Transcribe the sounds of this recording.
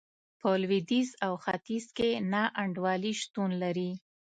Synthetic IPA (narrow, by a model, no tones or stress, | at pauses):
pəlwid̪izawxat̪izkenɑʔaɳɖwɑliʃt̪unlaɾi